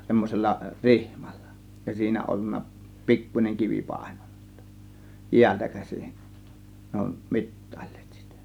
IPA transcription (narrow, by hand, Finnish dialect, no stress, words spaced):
semːoselːɑ rihm̥ɑ̥l̥ːɑ̥ jɑ siːnæ olːunːɑ pikːunʲeŋ kiʋi pɑˑe̞n̥o̥n̥ɑ̥ si̥tːæ̥ jiæltæ kæsin ne on mitːɑ̥ˑi̥l̥ːe̥ːt si̥tæ̥